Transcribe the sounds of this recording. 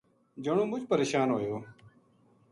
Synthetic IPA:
d͡ʒəɳ̃õːbʊt͡ʃpəɾeːʃaːnɦoːjoː

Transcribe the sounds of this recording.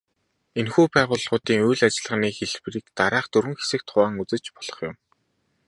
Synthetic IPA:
enxuːpæːʁʊːɮʁʊːt̪iːŋujɮat͡ɕɪ̆ɮʁə̆niːxeɮpriːkt̪aɾaːχt̪ɵɾwɵ̆ŋxe̥sɘ̆k̚t̪χʊaːŋut͡sɘ̆t͡ɕpɔ̥ɮ̥ɞ̆χjʊm

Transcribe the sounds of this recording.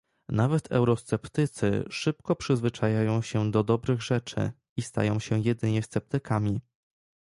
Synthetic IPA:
navɛt̪ʰɛ̰wɾɔst̪sɛpt̪ɘt̪sɘ̰ʂɘp̚kɔpʂɘzvɘt͡ʂajajɔ̃w̃ɕɛd̪ɔd̪ɔbɾɘɣʐɛt͡ʂɘ̰ | ist̪a̰jɔ̃w̃ɕɛjɛd̪ɘɲɛst̪sɛp̚t̪ɘkamʲi

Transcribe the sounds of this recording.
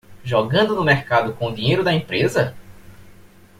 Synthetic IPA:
ʒɔɡɐ̃nd̪ʊnʊmɛɾkad̪ʊkõʊd̪ĩɲejɾʊd̪ɐẽpɾezɐ

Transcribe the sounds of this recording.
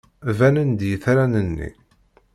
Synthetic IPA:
vænənd̪jəθɾænənːḭ

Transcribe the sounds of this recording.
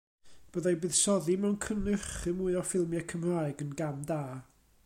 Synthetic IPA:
b̥əðajbɨð̥sɔðimɛwnkʰənɨχɨmuɨɔfɪlˠmjakʰəmraːɨɡənɡamdaː

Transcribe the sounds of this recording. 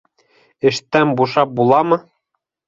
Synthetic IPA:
ɘ̆ʃt̪ːæmbuʃɑp̚bulˠɑmɤ̆

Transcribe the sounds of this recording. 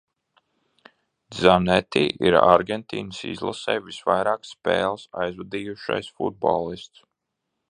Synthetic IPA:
d̪zamnɛt̪iːʔiɾaɾɡʲent̪ḭːnəsḭzlˠa̰sɛːjvisvajɾaːksːpɛːlˠsajzvad̪iːjuʃa̰jsfṵd̪̚bo̰lˠist̪s

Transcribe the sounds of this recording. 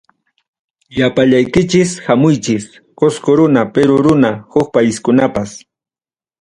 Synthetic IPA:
japaʎajkɪt͡ʃɪshamʊjt͡ʃɪs | koskoɾʊnapeɾʊɾʊnahʊk̚pajɪskʊnapas

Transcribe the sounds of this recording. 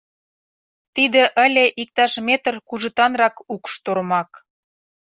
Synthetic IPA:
t̪id̪ĕʔə̆lʲeʔik̚t̪ɑʃmet̪ərkuʒə̆t̪ɑnrɑkukʃt̪oɾmɑk

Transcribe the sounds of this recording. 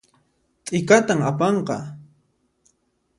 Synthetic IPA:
t̪ʼɪkat̪amapɑɴqɑ

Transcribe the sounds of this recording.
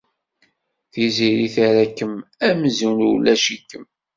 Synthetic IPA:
θiziɾiθaɾækːəmæmzunulæʃikːəm

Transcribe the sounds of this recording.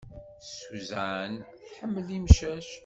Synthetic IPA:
suzaʕən | ħəmːəlimʃæʃ

